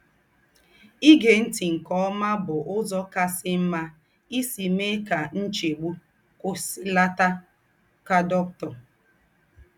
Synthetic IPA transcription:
i˦ɡe˨n̩˦ti˨ŋ̩˨kɔ˦ɔ˦ma˦bʊ˨ʔʊ˦zɔ˦ka˦sɪ˦m̩˦ma˦ | i˦si˨me˦ka˨n̩˦t͡ʃe˨ɡ͡bu˦ | kʊ˦si˦la˦ta˦ | ka˦dɔ˦k̚tɔ˨

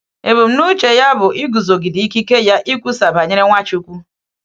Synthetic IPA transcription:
e˨bu˨m̩˦nu˦t͡ʃe˨ja˦bʊ˨ʔi˦ɡu˨zo˨ɡi˨di˦ki˦ke˦ja˦ʔi˦kʷu˦sa˨ba˨ɲe˦ɾe˦ŋʷa˦t͡ʃu˨˦kʷu˦

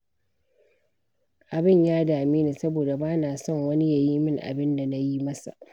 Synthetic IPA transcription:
ʔa˨bɪ˦˨ɲjaː˦daː˨miː˦neː˨sɐ˦boː˨da˨baː˦naː˨sɔ˦˨ŋwɐ˦ni˦ja˨jiː˦mɪ˦ŋʔa̰˨bɪ˦nda˨na˦ji˦mɐ˦sa̰˨ʔ

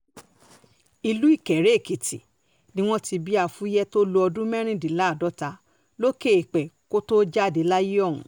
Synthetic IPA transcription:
i˧lu˦i˦˨kɛ˨ɾe˨˦˨ki˨tḭ˨ | nĩ˦w̃ɔ̃˦ti˧bi˦a˦˨fu˦jɛ˦to˦lo˧˦ɔ˧dũ˦mɛ̃˦ɾ̃ĩ˦di˨˦la˦˨dɔ˨˦ta˧˦ | lo˦ke˦˨e˨k͡pɛ˨ko˦to˦d͡ʒa˦˨di˨˦la˦ji˦ɔ˦˨ũ˨˦

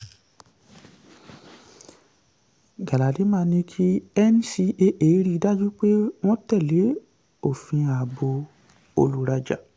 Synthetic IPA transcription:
ɡa˨la˨de˨˦mãː˧˦nĩ˧kʰi˦ɛ˦n˦si˧ʔe˦ʔeː˨˦ɾi˦˧˦da˦d͡ʒu˦k͡pe˦w̃ɔ̃˦tɛ˦˨le˨˦ | o˦˨fĩ˧a˨bo˧ | o̰˧lu˨ɾa˧d͡ʒa̰˨

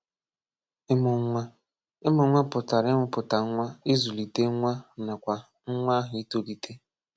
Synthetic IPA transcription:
ɪ˦mʊ˨˦ŋʷa˦ | ɪ˦mʊ˨˦ŋʷa˦pʊ˨ta˨ɾɪ˦mʊ˨pʊ˨ta˨ŋ̩˦ŋʷa˦i˦zu˨li˨te˦ŋʷa˦na˨kʷa˨ | ŋ̩˦ŋʷa˦ɦʊ˨i˦to˨li˨tʰe˦

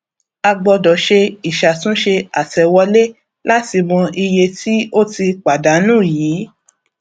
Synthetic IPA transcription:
a˧ɡ͡bɔ˧dɔ˨ʃe˧i˨ʃa˨tũ˨˦ʃe˧a˨tɛ˨wɔ˧le˦ | la˦ti˧mɔ̃˧i˧je˧ti˦o˦ti˧k͡pa˨da˨˦nũ˦˨jiː˨˦

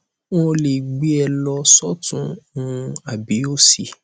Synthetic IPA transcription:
w̃ɔ̃˦˧le˨ɡ͡bi˨˦ɛ˧lɔ˧sɔ˦tũ˨˦˨ | a˨bi˨˦o˦si˦˨

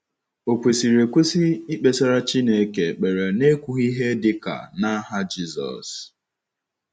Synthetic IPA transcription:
o˨kʷe˨si˨ɾe˨kʷu˦si˦i˦k͡pe˨sa˦ɾa˦t͡ʃi˦ne˨e˦ke˨k͡pe˨ɾe˨ne˦kʷu˦ɣi˦ɦe˦dɪ˦ka̰˨na˦ɦa˦d͡ʒi˦zɔ̰˨s

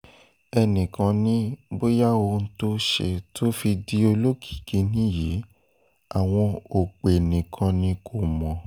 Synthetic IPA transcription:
ɛ˧nĩ˨kã˧˦nĩ˦bo˦ja˦o˧n̩˦to˦ʃḛ˨tʰo˦fi˧di˨˦o˧lo˦kʰi̥˦˨ki˨˦nĩ˦ji˨˦ | a˨w̃ɔ̃˧o˨k͡pe˨nĩ˨kʰã˧nĩ˧˦kʰo˨mɔ̃˨

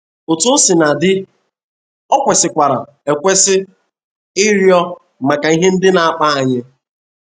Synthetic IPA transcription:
o˨to˦sɪ˨na˨dɪ˦ | ɔ˦kʷe˨sɪ˨kʷa˨ɾa̰˨ | e˨kʷe˦sɪ˦ | ɪ˦ɾjɔ˦ | ma˨ka˨i˦ɦe˦n̩˦dɪ˦na˨a˨k͡pa˦a˨ɲɪ˦

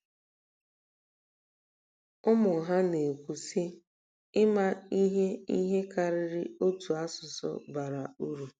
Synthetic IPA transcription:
ʊ˦mʊ˨ɦa˦ne˨kʷu˨si˦ | ɪ˦ma˦i˦ɦe˦i˦ɦe˦ka˨ɾɪ˨ɾɪ˦o˦tu˨a˦sʊ˨sɔ̰˦ba˨ɾa˨u˦ɾu˨

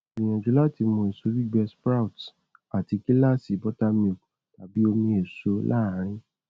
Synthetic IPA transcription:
ĩ˨j̃ã˨d͡ʒu˨˦la˦˨ti˧mõ˧˨e˨so˧˦ɾi˦ɡ͡bɛ˧spɾa˦u˨t | a˨ti˨˧ki˦la˦˨si˨˦bɔ˦ta˦mĩ˧o˨ | ta˨bi˦o˧mĩ˧˦e˨so˨˧lʔa̰˦˨˦ɾ̃ĩ˧

